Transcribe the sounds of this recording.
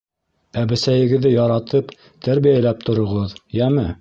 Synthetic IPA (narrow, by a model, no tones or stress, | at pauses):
æbɘ̆sæjɘ̆ɡɘ̆ðːɘjɑɾɑt̪ʰɤp | t̪ʰæɾβijælæp̚t̪ŏɾŏʁɤðjæmɘ